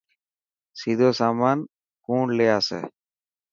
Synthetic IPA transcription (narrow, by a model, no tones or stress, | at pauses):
sid̪ʱosaman | kuːɳleasɛ̰